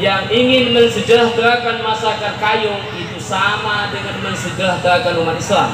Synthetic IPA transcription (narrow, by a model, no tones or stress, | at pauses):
jaŋiŋɪnməŋsədəɾahdəɾakanmasakakajʊŋit̪usamadəŋanməŋsəd͡ʒəɾahd̪əɾakanumat̪islam